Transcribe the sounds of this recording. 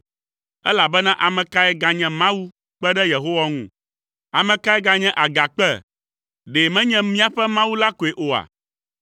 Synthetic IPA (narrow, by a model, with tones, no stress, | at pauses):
ɛ˦la˨bɛ˦nã˦ʔa˨mɛ̃˨ka˦ɛ˦ɡa˨ɲɛ̃˨mã˦wu˦ | k͡pɛ˦ɖɛ˦je˨ɦo˦wa˦ŋṵ̃˦˨ | a˨mɛ̃˨ka˦ɛ˦ɡa˨ɲɛ̃˦ʔa˨ɡa˨k͡pɛ˦ | ɖe˨mɛ̃˦ɲɛ̃˦mĩ˦a˦ɸɛ˦mã˦wu˦la˦ko˨e˨ʔo˨a̰˨